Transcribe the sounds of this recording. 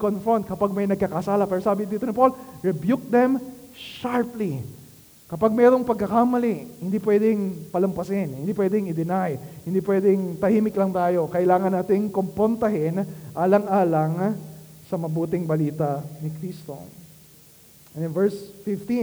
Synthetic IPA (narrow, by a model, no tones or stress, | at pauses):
konfɹont̪̚kɐpaɡ̚mɐjnɐɡ̚kɐkɐsaːlɐpɛːɾosaːbɪd̪iːt̪onɪpo̞lɹɛbjuk̚d̪ɛmʃaɹpli | kɐpaɡ̚mɛːɾo̞ŋpɐɡkɐkamɐlihɪnd̪iːpwɛd̪ɪŋpɐlɐmpɐsɪnhɪ̃nd̪ipwɛːd̪ɪŋɪd̪ɪnajhɪnd̪iːpwɛd̪ɪŋt̪ɐhiːmɪklɐŋt̪aːjo̞kɐʔɪlaːŋɐnːaːt̪ɪŋkompɾont̪ɐɦɪnʔaːlɐŋʔaːlɐŋsɐmɐbuːt̪ɪŋbɐliːt̪ɐnɪkɾist̪o̞̰ | ɛnvɛɹsfɪft̪i